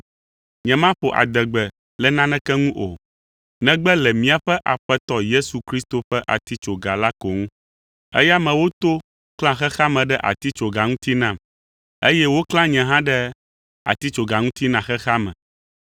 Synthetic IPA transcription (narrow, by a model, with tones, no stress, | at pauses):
ɲɛ̃˨mã˦ɸo˨ʔa̰˨d̪ɛ˨ɡ͡bɛ˨ | lɛ˨nã˦nɛ̃˦kɛ˦ŋũ˦ʔo̰˨ | nɛ̃˦ɡ͡bɛ˦lɛ˨mĩ˦a˨ɸɛ˦ʔa˨ɸɛ˦t̪ɔ˦je˦su˨kɾi˦st̪o˨ɸɛ˦ʔa̰˨t̪i˦t͡ʃo˨ɡa˨la˦ko˨ŋũ˦ | ɛ̰˦ja˦mɛ̃˨wo˦t̪o˦ | klã˦xɛ˦xa˦mɛ̃˨ɖɛ˦ʔa̰˨t̪i˦t͡ʃo˨ɡa˨ŋũ˦t̪i˦nã˦˨m | e˦jɛ˦wo˦klã˦ɲɛ̃˨ɦã˦ɖɛ˦ | a̰˨t̪i˦t͡ʃo˨ɡa˨ŋũ˦t̪i˦nã˨xɛ˦xa˦mɛ̰̃˨